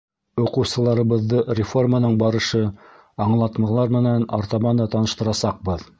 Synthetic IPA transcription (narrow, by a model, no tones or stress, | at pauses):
uqɤ̆wsɤ̆lˠɑɾɤ̆βɤ̆ðːɤrʲɪformanɤɴbɑɾɤ̆ʃɤ | ɑɴlˠɑt̪mɤ̆lˠɑɾmɘ̆nænɑ̰ɾt̪ɑβɑnd̪ɑt̪ɑnɤ̆ʃt̪ɤ̆ɾɑsɑq̚bɤð